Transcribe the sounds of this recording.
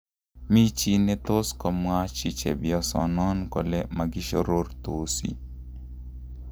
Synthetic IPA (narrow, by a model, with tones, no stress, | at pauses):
mi˦t͡ʃi˦ne˦t̪o˦skɔ˨mwa˦t͡ʃi˦t͡ʃḛ˨bɪɔ˨sɔ̰˨nɔ˦nko˨lɛ˦ma˨ɡɪ˦ʃo˦ɾo˦rt̪o˨sḭ˨